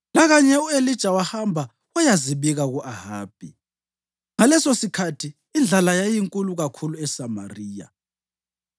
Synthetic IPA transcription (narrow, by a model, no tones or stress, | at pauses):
laɣaɲɛuelid̥ʒ̥ʼʱawahambʱa | wajaziβiɣaɣuʔaha̰ːb̥ʱi | ŋalɛsosikʰatʰiː | nd͡ɮʱalajajiŋkʼuluɣakʰuluɛsama̰riːja̰